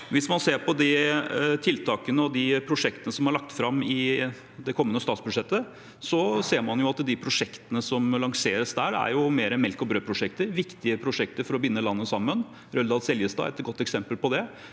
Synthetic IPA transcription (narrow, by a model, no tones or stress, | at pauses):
ʋɪsmɑnseːɾpʰɔd̪ɪt̪ʰɪlt̪ʰɑːkənəɔd̪ɪpʰɾʊʂɛkt̪ənəsɔmhɑɾɭɑk̚t̪fɾɑmɪ | d̪ɛkʰɔmːənəst̪ɑːt̪sbʉd̪ʂɛt̪ːə | sɔseːɾmɑnjʊɑt̪d̪ɪpʰɾʊʂɛkt̪ənəsɔmlɑŋseːɾəsd̪æːɾæ̰ɾjʊmeːɾəmɛlkɔbɾøːpʰɾʊʂɛk̚t̪əɾʋɪkt̪ɪəpʰɾʊʂɛkt̪əɾfɔɾɔbɪnːəlɑnːəsɑmːən | ɾœld̪ɑlsɛljəst̪ɑ̰ːɛ̰t̪ɡɔt̪ːɛksɛmpəlpɔd̪ɛ